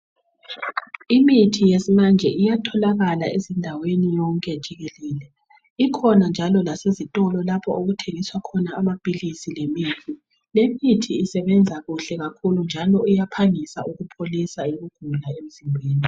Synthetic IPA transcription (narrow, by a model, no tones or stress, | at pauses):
imitʰijesimand͡ʒʱɛʔijatʰɔlaɣalaezindʱawenijɔŋkʼɛd̥ʒ̥ʱiɣeliːlɛ | ikʰɔnand͡ʒʱalɔlasezitʼɔlɔlapʰɔʔoɣutʰeŋiswakʰɔnaːmab̥ʱilisilemitʰi | lemitʰiːsɛβɛnd͡zʱaɣuɬɛɣakʰulund͡ʒʱalɔujapʰaŋisa̰ʔuɣupʰolisaeɣuɡ̥ʱulaem̩zimbʱeːni